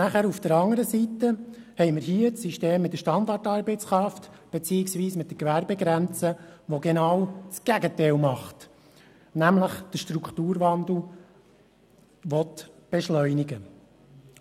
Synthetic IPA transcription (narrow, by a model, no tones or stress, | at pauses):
næχæːɾufd̥əɾɑŋːəɾəsitə | hɛɪməɾhiət͡sːiʃteːmːɪt̪̚də̥ʃtɑnd̪ɑtɑːɾbɛt͡skɾɑftb̥ɛt͡siːɪksʋiːsmɪt̚dəkʋæɾbɛɡɾænt͡səʋɔɡɛnɑwt͡sɡ̥æɡətɛɪlmɑχt | næmləχd̥əʃtɾukχt̪uːɾʋɑnd̪l̩ | ʋɔtb̥ɛʃlœʏniɡə